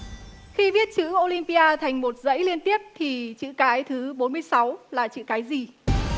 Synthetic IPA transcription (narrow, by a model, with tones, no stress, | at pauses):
xi˧vi˦˥ət̚t͡ɕɨ̰˧˥ʔo˧li˧mpi˧ʔaː˧t̪ʰa˨˩jŋ̟mo˨˩t̚zə̰˧˥jli˧ənt̪i˦˥əp̚t̪ʰi˨˩t͡ɕɨ̰˧˨kaː˨˦jt̪ʰɨ˨˦ɓo˨˦nmɨ˧əjsa˨˦wlaː˨˩t͡ɕɨ̰˧˨kaː˨˦jzi˨˩